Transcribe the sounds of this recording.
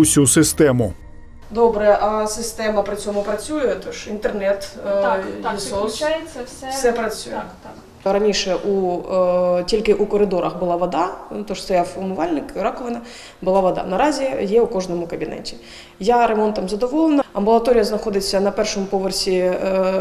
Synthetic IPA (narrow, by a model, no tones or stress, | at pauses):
ʊsʲusɪst̪ɛmʊ | d̪oɔbɾɛʔɐsɪst̪ɛmɐpɾʲɪt͡sʲɔmʊpɾɐt͡sʲujʊt̪ɔʃint̪ernɛt̪ | sɔjʲɐɛfsɛpɾɐt͡sʲujɛ̰ | ɾɐnʲiʃɛʔu | tʲilʲkɪʔukɔɾɪd̪ɔɾɐxbʊlˠɑʋɐd̪at̪ɔʂst̪ɔjawʊmʊʋɑlʲnɪkɾɑkɔʋɐnɐ | bʊlˠɑʋɐd̪ɑ̰nɐɾɑzʲijɛʊkɔʐnɔmʊkɐbʲinɛ̰tʲi | jaɾemɔnt̪ɐmzɐd̪ɔʋɔlˠenɐɐmbʊlˠɐt̪ɔɾʲijɐznɐxɔd̪ɪt͡sʲːɐnɐpɛrʂɔmʊpɔʋersʲi